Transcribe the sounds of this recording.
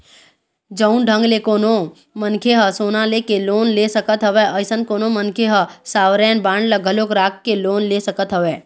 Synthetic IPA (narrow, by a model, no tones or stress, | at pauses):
d͡ʒəʊnɖʱə̃ŋɡlekoːno | mənkʰeɦəsoːnaleːkeloːnlesəkət̪ɦəʋɛəjsənkoːnomənkʰeɦəsaːʋɾɛːnbãːɳɖləɡʱəloːkɾaːkkːeloːnlesəkət̪ɦəʋɛː